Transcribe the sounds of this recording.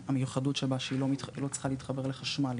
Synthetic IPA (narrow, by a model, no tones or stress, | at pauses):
hamejuχadutʃebaʃeilolo̞t͡sχaleit̪χabe̞ʁleχaʃmal